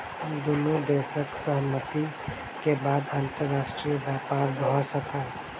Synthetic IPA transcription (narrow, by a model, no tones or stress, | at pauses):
d̪ʊnud̪eːʃəksəɦmət̪i | kebaːd̪ãnt̪əɾːaːʃʈɾijəbjaːpaːɾbʱɔɔsəka